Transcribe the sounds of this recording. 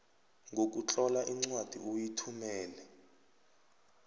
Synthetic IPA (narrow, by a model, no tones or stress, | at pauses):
ŋɡok̬ut͡ɬʼɔlaʔiŋ͡ǀwad̥ʱiʔojitʰumɛːlɛ